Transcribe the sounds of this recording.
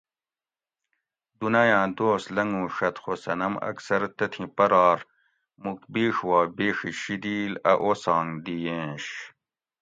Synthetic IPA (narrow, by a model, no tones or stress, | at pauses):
d̪unɐjãːd̪oːst̪lɐŋɡũːʂɐt̪xosɐnɐmɐ̰ksɐɾt̪ɐt̪ʰĩpɐɾɑːɾ | mukbiːʂwɑːbeːʂiɕid̪iːlɐʔoːsɑːŋd̪ijẽːɕ